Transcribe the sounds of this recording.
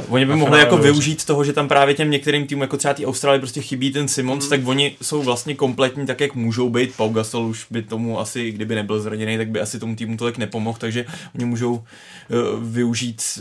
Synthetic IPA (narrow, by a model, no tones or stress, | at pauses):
voɲɪbɪmoɦlɪjako̞vɪuʒiːt̪t̪ːo̞ɦoʒɛt̪ampɾaːvjɛcɛmɲɛkt̪ɛɾiːmt̪iːmumjakot̪r̥ɛvat̪iːʔawst̪ɾaːlɪɛpɾo̞scɛxɪbiːt̪̬ɛnsɪmont̪t̪akvo̞ɲɪso̞wvlast̪ɲɛko̞mplɛt̪ɲiːt̪akjakmuːʒo̞wbejt̪̚pawɡasɛluʃbɪt̪o̞mua̰sɪɡdɪbɪnɛbɪlzɾaɲɛnejt̪aɡ̚bɪʔasɪt̪o̞mut̪̬iːmut̪olɪknɛpo̞mo̞xt̪aɡʒɛoɲɪmuːʒo̞w | vɪuʒiːt̪